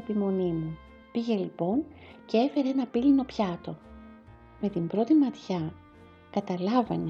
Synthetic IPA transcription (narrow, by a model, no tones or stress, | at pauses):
epimo̞nimu | piʝe̞lipo̞nce̞e̞fe̞ɾeenɐpilino̞pçɐt̪o̞ | me̞t̪imbɾo̞t̪imɐt̪çɐ | kɐt̪ɐlɐvɐne